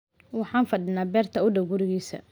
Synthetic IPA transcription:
wɑħɑːnfɐdɪnaːbɛːrt̪ʰɐʊɖɐwɡʊɾɪɣiːsɐ̰

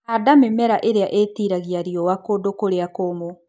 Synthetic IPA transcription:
adamemɛɾaʔeɾeaʔetiɾaɣiaɾiɔwakodokoɾeakomo

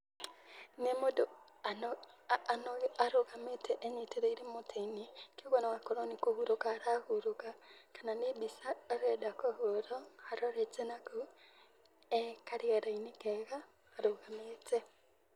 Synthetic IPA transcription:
nemodo | ananoɣaɾoɣametʰɛʔːɲeteɾeiɾemotʰainekeoɣanawakoɾɔnikohuɾokaːɾahuɾokakananebisaːɾɛdakohoɾɔhaɾɔɾɛt͡ʃenako | ɛkaɾiaɾainekɛɣaː | ɾoɣametʰɛ

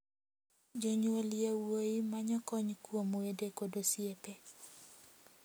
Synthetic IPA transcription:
d͡ʒoɲwoljawoimaɲɔkɔɲkwomwedekodosiepe

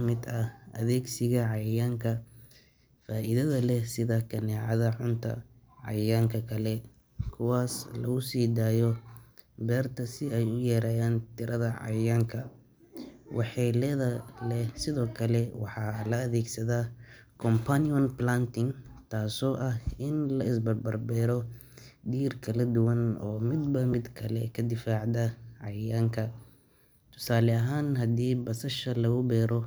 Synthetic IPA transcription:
mɪd̪ɐɐ̰ðɛːɡsɪɣɐʕɑjaːŋkʰɐ | faːʔɪðɐðɐlɛsɪðɐkʰɐnɛːʕɑðɐʕʊnt̪ʰɐ̰ | ʕɑ̰jaːŋkʰɐkʰɐlɛ | kʰʊwaːslɐ̰ɣʊsiːd̪aːjɔ | bɛːrt̪ʰɐsɪɛjʊjɛːɾaːjaːnt̪ʰɪɾɐðɐʕɑ̰jaːŋkʰɐ | wʔɑħɛːlɛðɐlɛsɪðɔːkʰɐlɛwɑ̰ħɑːlɐːðɛːɡsɐðaː | kʰɔmpʰaniɔnplaːnt̪ʰɪŋt̪ʰaːsɔːʔɐhɪnlɐɪsbɐrbɐrbɛːɾɔ | d̪iːrkʰɐlɐd̪ʊwɐnɔ̰ːmɪd̪bɐmɪd̪kʰɐlɛkʰɐd̪ɪfaːʕd̪ɐʕɑjaːŋkʰɐ | t̪ʰʊ̥saːlɛɐɦaːnɦɐd̪iːbɐsɐʃɐlɐɣʊbɛːɾɔ

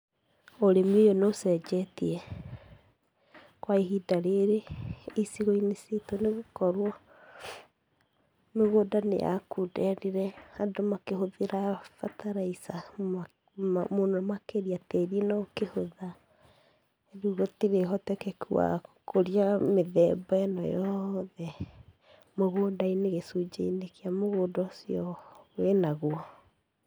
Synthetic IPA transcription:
oɾemejonosɛd͡ʒɛtiɛ | kwaiɦidaɾeɾeisiɣoinesetoneɣukɔɾwɔ | meɣoːdanḛʔa̰kudɛɾiɾɛadomakeɦoðeɾafatʰaɾaisa | monɔmakeɾiateɾienakehoða | eɾuːɣɔtiɾeɦɔtɛkɛkua̰kʰoɾiameðɛbɔɛnɔjɔðɛ | moɣoːdaineɣesud͡ʑḛinekiamoɣoːdɔsiɔwenaɣwɔ

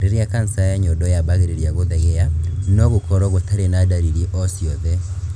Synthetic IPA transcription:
ɾeɾiakansajaɲɔdɔjaβaɣeɾeɾjaɣoðɛɣɛanɔɣokɔɾɔɣotaɾenadaɾiɾiʔɔsjɔðɛ

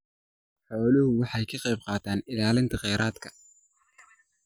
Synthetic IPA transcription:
ħɔːlɪhʊwɑħɑjkʰɐqɑjb̚qɑːt̪ʰaːnɪlaːlɪnt̪ʰɐqɛjɾʔaːd̪kʰɐ

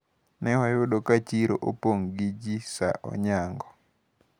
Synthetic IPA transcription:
nɛwajoɗokat͡ʃiɾo̰ʔopoŋɡid͡ʒisa̰ʔɔ̰ɲaŋɡɔ

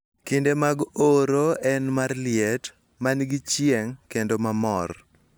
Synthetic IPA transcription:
kindemaɡoɾoɛnmarlɪɛt | manɡit͡ʃjeŋkendomamɔr

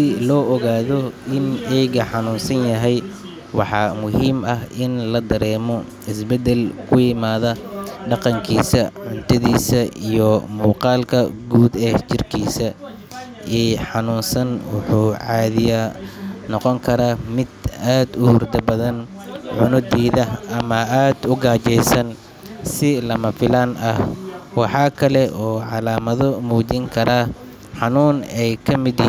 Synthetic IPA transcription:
ɪlɔːʔɔɣaːðɔɪnʔɛjɣɐħɑnuːnsɐnjɐɦɛj | wɑħɑːmʊɦiːmɐɦʔɪnlɐd̪ɐɾɛːmɔ | ɪsbɛd̪ɛlkʰʊjɪmaːðɐɖɑqɑŋkʰiːsɐʕʊnt̪ʰɐðiːsɐijɔmuːqɑːlkʰɐɡuːd̪ɛt͡ʃɪrkʰiːsɐ | ɛːħɑnuːnsɐnwʊħuːʕɑːðɪjanɔqɔŋkʰɐɾaːmɪd̪aːd̪ʊhʊrd̪ɐbɐðɐn | ʕʊnʊd̪iːðɐɐmɐaːd̪ʊɡaːt͡ʃɛjsɐn | sɪlɐmɐfɪlaːnɐhwɑħɑːkʰɐlɛʔɔːʕɑlaːmɐðɔmuːt͡ʃɪŋkʰɐɾaː | ħɑnuːnɛjkʰɐmɪd̪

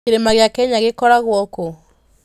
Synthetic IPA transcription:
eɾemaɣjakɛɲaɣekɔɾaɣwɔko

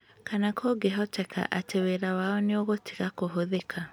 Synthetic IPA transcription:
kanakʰoːɡeɦɔtɛkʰa̰ʔateweɾawaɔneoɣotʰi̥ɣakoɦoðekʰa

